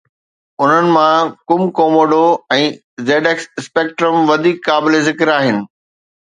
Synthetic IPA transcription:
ʊn̤ənɪ̆mãkʊmkoːmoɖoɛ̃ː | zeːɖeksɪspeːk̚ʈɾəmʋɐd̪ʱikːaːbɪlezɪkɪɾaːɦɪnɪ̆

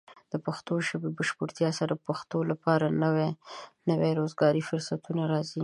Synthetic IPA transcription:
d̪̥əpaxt̪oʒəbebaʃpʊɾt̪jɑsaɾapaxt̪olapɑɾanwenəweɾozɡɑɾifʊɾsat̪unaɾɑzi

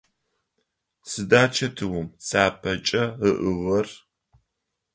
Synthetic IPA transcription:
sɨdaːt͡ʃʰɐtʰɨwʊmsaːpʰɐt͡ʃʼɐəʔɨʁɐr

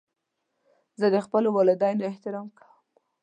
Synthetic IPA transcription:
zəd̪əxpəlowɑlɪd̪ɑjnoɪht̪ɪɾɑmkḁwəm

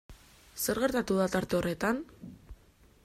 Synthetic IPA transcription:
se̞ɾɣe̞ɾt̪at̪uðat̪aɾt̪e̞o̞re̞t̪an

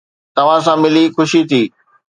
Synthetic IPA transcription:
t̪ɐʋ̤ãs̬ãmɪlixʊʃit̪ʰiː

